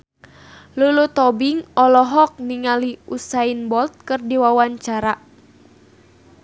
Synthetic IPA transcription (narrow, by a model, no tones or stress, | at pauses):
lulut̪ɔbiŋɔlɔɦɔk̚niŋaliusainbɔlt̪̚kɨrdiwawaɲt͡ʃaɾa